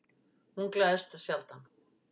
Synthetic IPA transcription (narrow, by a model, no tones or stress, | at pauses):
hunklaðst̪asjalt̪an